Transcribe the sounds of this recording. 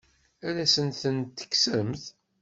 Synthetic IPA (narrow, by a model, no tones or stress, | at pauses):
ælæsənθənt̪ːə̥kːsəmθ